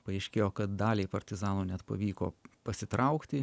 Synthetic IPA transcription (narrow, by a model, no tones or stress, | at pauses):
pɐɛɪʃʲkʲeːjoːkɐt̪̚d̪ɑːlʲeːpɐɾʲt̪ʲɪzɑːnuːnʲɛt̪pɐ̰ʋʲiːko̰ːpɐsʲɪt̪ɾɐʊkt̪ʲɪ